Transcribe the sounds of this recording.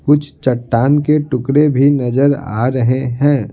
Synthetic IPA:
kʊt͡ʃʰt͡ʃɐʈːaːnkeʈʊkɾebʱinɐzəɾa̰ːɾɐɦeɦɛ̃ː

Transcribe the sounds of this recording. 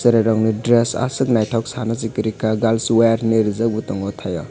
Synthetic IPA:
seɾeɾɔŋnidɾesa̰sɯk̚najtʰɔksanazikiɾikaɡalsweɾneɾizak̚butɔŋɔtʰajɔ

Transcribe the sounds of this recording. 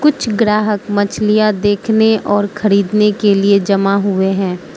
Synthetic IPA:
kʊt͡ʃʰɡɾaːɦəkmɐt͡ʃʰlijad̪eːkʰneʔɔːɾxʰɐɾiːd̪nekelied͡ʒɐmaɦʊeɦɛ̃ː

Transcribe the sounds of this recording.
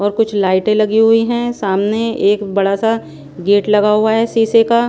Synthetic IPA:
ɔːɾkʊt͡ʃʰlaːɪʈẽlɐɡiɦʊiɦɛ̃saːmneeːkbɐɽasa | ɡeːʈlɐɡaɦʊaɦɛsiːseka

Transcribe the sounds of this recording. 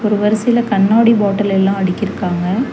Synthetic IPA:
ɔɾɯʋɐɾɐsɪɪlɐkɐɳːaːɽiboːʈːɐlɛlːãːɐɽɪkʲːɪɾɯkːaːŋɡɐ

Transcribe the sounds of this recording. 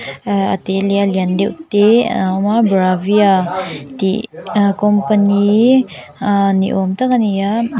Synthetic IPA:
əat̪elialiand̪ewt̪eamabɾaviat̪ikompəni | nḭʔomt̪akanija

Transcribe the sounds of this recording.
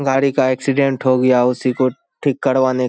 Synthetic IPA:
ɡaːɾikaɛːksɪɖɛ̃ɳʈɦoɡɐjaʊsiko | ʈʰɪkːɐɽʋaːne

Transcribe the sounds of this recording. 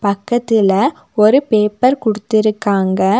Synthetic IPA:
pɐkːɐt̪ːɪlɐ | ɔɾɯpeːpːɐɾkʊɽɯt̪ːɪɾɯkːaːŋɡɐ

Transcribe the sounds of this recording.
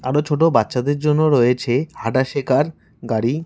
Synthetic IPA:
aɾot͡ɕʰoʈ̬obatːɕad̪eɾd͡ʑonːoɾojet͡ɕʰehaʈaʃekʰaɾ | ɡaɽi

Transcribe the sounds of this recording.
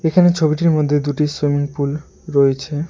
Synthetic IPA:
ekʰanet͡ɕʰobiʈiɾmod̪ʱːed̪uʈiswimiŋpul | ɾɔet͡ɕʰe

